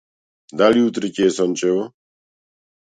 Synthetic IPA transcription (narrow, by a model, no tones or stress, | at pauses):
d̪aliut̪ʼɾicʼɛːsɔnt͡ʃʼɛɔ